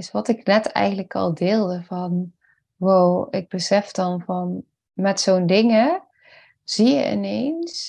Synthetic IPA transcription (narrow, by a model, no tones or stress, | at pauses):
ɪsʋɔtɪknɛtʰɛ̰jɣən̩dləkɔ̰lˠdɪːlˠdəvɔn | ʋoːɪɡ̚bəsɛfd̥ɔnvɔn | mɛtsoːndɪŋə | z̥ijə̰ɪ̰neːns